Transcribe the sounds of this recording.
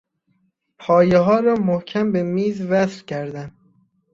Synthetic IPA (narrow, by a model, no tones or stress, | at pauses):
pʰɒːjeɦɒːɾɒːmohcʲʰæmbemiːzvæsɾcʰæɾd̪æn